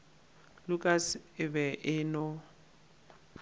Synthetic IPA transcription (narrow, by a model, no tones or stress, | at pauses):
lʊkʼasɪbɛʔɪnɔ